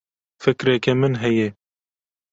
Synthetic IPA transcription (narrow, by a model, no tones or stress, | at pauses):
fɨkɾɛkɛmɨnɦɛje